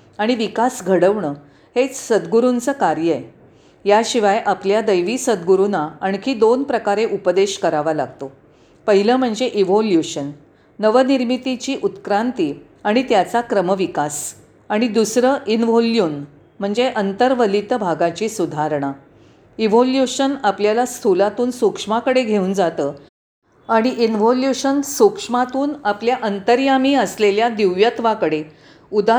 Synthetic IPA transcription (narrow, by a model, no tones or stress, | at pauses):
aɽ̃iʋikasɡʱəɽəʋɳə | het͡ssəd̪ɡuɾunt͡səːkaɾjəe | jaɕiʋajʔapljad̪əjʋiːsəd̪ɡuɾunaːɳkʰiːd̪onpɾəkaɾeʔupəd̪eɕkəɾaʋala̰ɡt̪o | pəɦiləːm̤əɳd͡zeʔiʋoljuɕənː | əʋəniɾmit̪it͡ɕiːʔut̪kɾant̪iː | aɽ̃it̪jat͡sakɾəməʋikas | aɽ̃id̪usɾəʔinʋoljuːn | m̤əɳd͡zeʔənt̪əɾʋəlit̪bʱaɡat͡ɕiːsud̪ʱaɾɳ̃a | iʋoljuɕənapljalast̪ʰulat̪uːnsokʂmakəɽeɡʱeũːnd͡zat̪əː | aɽ̃iʔinʋoljuɕənsokʂmat̪uːnapljaʔənt̪əɾjamiːəsleljad̪iʋjət̪ʋakəɽe | ud̪a